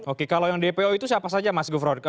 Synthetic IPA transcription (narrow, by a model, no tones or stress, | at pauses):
okekalawjaŋdepeoit̪usiapasad͡ʒamasɡufɾɔd̚k